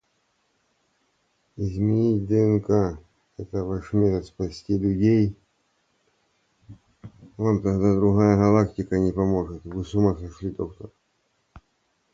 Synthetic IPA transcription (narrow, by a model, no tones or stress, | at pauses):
ɪzʲmʲɪnʲit̚ʲd̪ɨɛnka | ɛt̪əvaʂmʲeɾəspɐsʲtʲilʲʊdʲej | vamt̪ɐɣd̪ad̪ɾʊɦajəɣɐlˠaktʲɪkənʲɪpɐmo̞ʐɨt̪vɨsʊmasɐʂlʲid̪okt̪ər